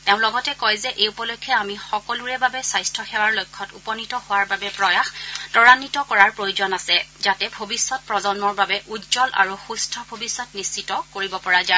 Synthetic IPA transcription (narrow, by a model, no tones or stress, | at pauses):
tɛʊ̃lɔɡɔtɛkɔjzɛʔeupɔlojkʰːjɛamixɔkɔluɹɛbabɛsajstʰɔxɛwaɹlojkʰːɔtṵpɔnitɔhowaɹbabɛpɹɔjaxtɔɹanitɔkɔɹaɹpɹojuzɔnasɛzatɛbʱobisːɔt̚pɹɔzɔnmɔɹbabɛʔudzɔlʔa̰ɹuxustʰɔbʱobisːɔtnist͡ʃitɔkoɹibɔpɔɹaza